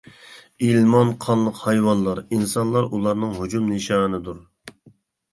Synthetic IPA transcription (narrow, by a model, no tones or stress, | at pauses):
ilmɑnqʰɑnlːˠəqhɑjwɑnlˠɑɾinsɑnlˠɑɾulˠɑɾnɨŋɦud͡ʒumniʃɑːnɨd̪uɾ